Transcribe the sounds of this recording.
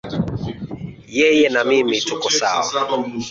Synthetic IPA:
jɛjɛnamimitukɔsa̰wa̰

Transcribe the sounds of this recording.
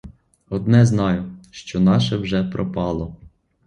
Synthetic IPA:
ɔd̪nɛznɑjʊʃt͡ʃɔnɑʃɛwʒɛpɾɔpɑlˠɔ

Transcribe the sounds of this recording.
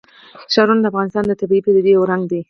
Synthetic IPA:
ʃɑɾund̪əafɣɑnɪst̪ɑnd̪ət̪abiiped̪əd̪eoɾaŋɡd̪i

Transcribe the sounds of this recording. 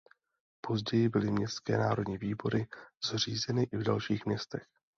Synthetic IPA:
po̞zɟɛjɪbɪlɪmɲɛst̪skɛ̰ːnaːɾo̞dɲiviːbo̞ɾɪz̥r̝iːzɛnɪʔɪvdalʃiːxmɲɛst̪ɛx

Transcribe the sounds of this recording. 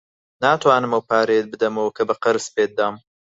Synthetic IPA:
naːt̪ʰwaːnɨmɐwpaːɾejt̪̚bɨd̪ɐmɐwkʰɐbɐqɐɾɨspeːt̪̚d̪aːm

